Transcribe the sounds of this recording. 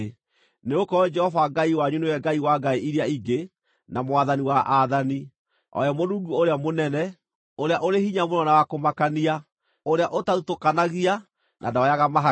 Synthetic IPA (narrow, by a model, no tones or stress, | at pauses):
neokɔd͡ʒɛhɔvaɡaiwaɲunojɛɡaiwaɡaeʔiɾeaiɡe | namoaðaniwaʔaðani | ɔ̰jɔmoɾuːŋɡuoɾeamonɛnɛ | oɾeaʔoɾehiɲamonɔnawakomakania | oɾeaʔotaðutokanaɣia | nʔa̰daajaɣamaɦa